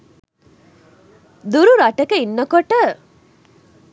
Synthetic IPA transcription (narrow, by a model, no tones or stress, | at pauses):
d̪uɾuɾaʈəkəinːɐkoʈə